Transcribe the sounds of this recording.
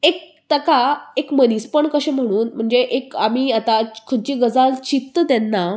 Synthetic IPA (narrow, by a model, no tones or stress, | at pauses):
ek̚ | t̪əkaekmənispəɳkəɕẽm̤əɽ̃uːnm̤əɳd͡zeʔekamiːat̪akʰət͡ɕiːɡəd͡zalt͡ɕip̚t̪əd̪ɛnːa